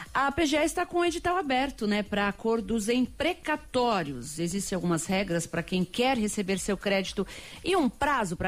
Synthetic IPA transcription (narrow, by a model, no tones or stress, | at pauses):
ɐpeʒeɛɪst̪akõed͡ʒit̪awabɛɾt̪ʊnɛpɾɐːkoɾd̪ʊzẽj̃pɾekat̪ɔɾiʊ̰sezist͡ʃɪ̃awɡũmɐshɛɡɾɐspɾɐkẽj̃kɛɾɦesebeɾsewkɾɛd͡ʒit̪ʊɪũpɾazʊpɾɐ